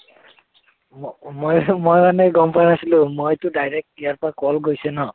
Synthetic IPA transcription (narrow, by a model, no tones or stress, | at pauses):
mojmojmanɛɡɔmpanasilũmojtʊdajɹɛk̚tijaɹpakɔlɡojsɛnɔ